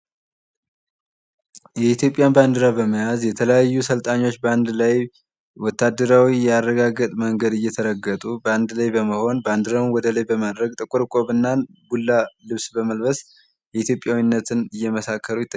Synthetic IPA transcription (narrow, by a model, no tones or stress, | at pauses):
jɛit̪ʰjo̞pʼjanband̪ɨɾabəməjazjɛt̪ʰələjajːusəlt̪ʼaɲːo̞t͡ʃːbəand̪laj | wɔt̪ʰːad̪ːəɾawijɛarːəɡaɡːət̪ʼməŋɡəd̪ɨjːɛt̪ʰəɾəɡːət̪ʼubəand̪lajbəməho̞nband̪ɨɾawnwɔd̪əlajbəmad̪ɾəɡt̪ʼɨkʼuɾkʼo̞βɨnːanbulːalɨβsbəməlbəs | jɛit̪ʰjo̞pʼjawinːət̪ʰɨnɨjːɛməsakʰːəɾujɪt̪ːə